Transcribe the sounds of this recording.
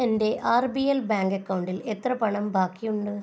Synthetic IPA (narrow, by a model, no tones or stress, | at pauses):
ɐnd̪eːʔaːɾbiɛlbaːŋɡɐkːɐʋɳɖɪlɛt̪ːɾɐpɐɳɐmbaːkːijʊɳɖɯ